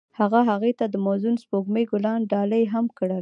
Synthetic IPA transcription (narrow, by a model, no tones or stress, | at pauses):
haɣaɦaɣet̪ad̪əmozunspoɡmejɡʊlɑnɖɑləjɦamkəɽa